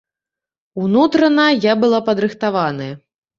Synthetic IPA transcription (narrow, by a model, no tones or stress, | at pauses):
unut̪ɾɐnɐjabɨlˠapɐd̪ɾɨxt̪avanɐjɐ